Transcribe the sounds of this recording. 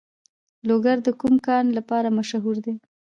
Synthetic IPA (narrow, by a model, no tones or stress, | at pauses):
loɡaɾd̪əkumkɑnlapɑɾamaʃɦuɾd̪e